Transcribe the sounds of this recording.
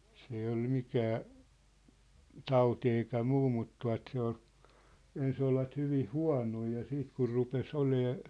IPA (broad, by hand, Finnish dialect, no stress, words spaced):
s ei ol mikæː tɑuti eikæ muː mut tuɑ̝t se ol ens olʋɑt hyʋih̆ huɑ̝noi jɑ siːt kur rupes oleː